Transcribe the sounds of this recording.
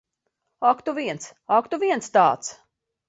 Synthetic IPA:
akt̪uviɛns | akt̪uviɛnst̪ɑ̰ːt̪s

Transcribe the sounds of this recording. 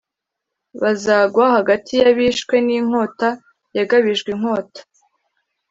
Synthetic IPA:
βazaːɡwahaɡatʰijaβiʃkwe̞niŋ̥o̞ːta | jaɡaβiʒɡwiŋ̥ho̞ːtḁ

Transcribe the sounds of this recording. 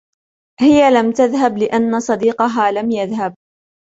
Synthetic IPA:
hɪjalamt̪aðɦablɪʔanːasˤɑd̪iːqɑɦaːlamjaðɦab̚

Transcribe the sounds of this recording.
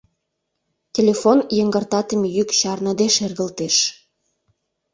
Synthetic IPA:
tʲelʲefonjəŋɡərt̪ɑt̪əmejykɕɑrnəd̪eʃerɣə̆lt̪eʃ

